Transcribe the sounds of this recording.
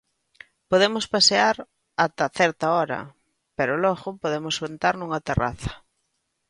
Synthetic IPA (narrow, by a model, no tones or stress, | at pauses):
poðemʊspaseaɾ | at̪aθɛɾt̪aɔɾɐ̰ | peɾʊlɔɣʊpoðemʊswent̪aɾnuŋɐt̪era̰θɐ̥